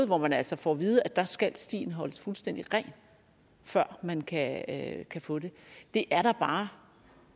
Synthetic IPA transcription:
ð̩ˠʋɒmænælsɒfɒʋiːð̞ˠəæd̥ɑ̈sɡ̥ælsd̥ḭːn̩ɦɒ̽ləsfulsd̥en̰d̥iʁɛːn | fɶɐ̰mænkʰækʰæfɔ̽d̥e̝d̥e̝ʔæɐɾ̥ɑ̈b̥ɑ̈ː

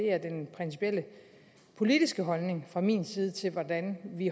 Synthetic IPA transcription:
e̝̰ɐd̥enpʰʁɛnsi̥pʰiel̰ə | pʰo̝lid̥isɡ̥əɦɒ̽lne̝ŋfʁɑ̈mḭːnsiːð̞ˠət͡sʰe̝lʋɒd̥ænʋi

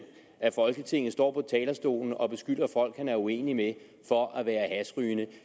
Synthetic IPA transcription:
ʔæfɒ̽lɡ̥ət͡sʰe̝ŋ̰n̩ˠsd̥ɒ̰ːpʰɒ̽t͡sʰɛːlɐsd̥o̝̰ːln̩ɒ̽b̥e̝sɡ̥yd̥ɐfɒ̽l̰ɡ̥hænæɐue̝̰ːnime | fɒ̽ʔæʋæːɐhæsʁyːnə

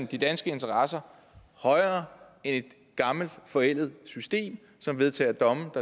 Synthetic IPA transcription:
nd̥id̥ænsɡ̥əe̝nt͡sʰɐʁɑ̈sɐ | hɒ̽ɪɐː | ene̝d̥ | ɡ̥ɑ̈ml̩d̥fɒ̽el̰ð̩ˠsysd̥e̝̰ːm | sɒ̽mʋe̝ð̞ˠt͡sʰɛ̰ːɐd̥ɒ̽məd̥ɑ̈

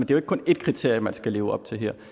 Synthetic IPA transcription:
end̥e̝joeɡ̥̚kɔ̽ne̝d̥̚kʰʁit͡sʰe̝ɐ̰jəmænsɡ̥æleːʊɒ̽b̥̚t͡sʰe̝lɦeɐ̰

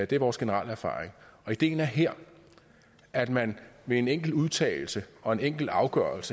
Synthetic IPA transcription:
d̥e̝æɐʋɒːsɡ̥e̝nəʁɑ̈ləæɐfɑ̰̈ːʁeŋɒ̽id̥e̝̰ːn̩æɐɦeɐ̰ | æd̥mænʋe̝eneŋ̰ɡ̥l̩uðˠt͡sʰɛ̰ːl̩səɒ̽e̝neŋ̰ɡ̥l̩ɑ̈ʊɡ̥ɶɐlsə

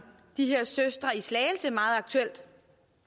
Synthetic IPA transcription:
d̥iɦe̝ɐ̰søsd̥ʁɐislɛːɪl̩səmɑ̈ːð̞̩ˠɑ̈ɡ̥̚t͡sʰuel̰d̥

